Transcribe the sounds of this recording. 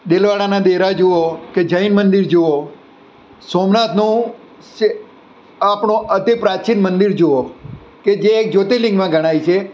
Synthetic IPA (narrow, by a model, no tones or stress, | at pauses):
ɗ̪elʋaɽanad̪eɾad͡ʒooked͡ʒəinmənd̪iɾd͡ʒoo | somnat̪nũ | ʃe | apɳ̃õʔəd̪ʱipɾat͡ʃinmənd̪iɾd͡ʒoo | ked͡ʒeːk̚d͡ʒot̪ilɪ̃ŋɡmãɡʱəɽ̃ait͡ʃʰe